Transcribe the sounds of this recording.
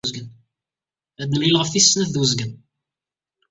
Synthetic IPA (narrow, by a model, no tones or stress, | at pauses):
zɡən | æd̪nəmlilʁəfθisːnæθðwəzɡən